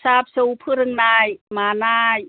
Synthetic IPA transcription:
saːp̚supʰɯɾɯŋnaːjmaːnaːj

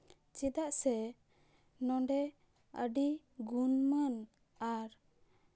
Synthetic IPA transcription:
t͡ʃid̪aʔsɛ | nɔɳɖɛ | ə̰ɖi | ɡunmən | aɾ

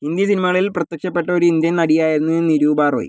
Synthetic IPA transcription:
ind̪jɐsinimɐɣɐɭilprɐt̪jɐkʂɐpːe̞ʈːɐoɾuind̪jɐnnɐɽijaːjiɾunːɨniɾuːbaːro̰ːjḭ

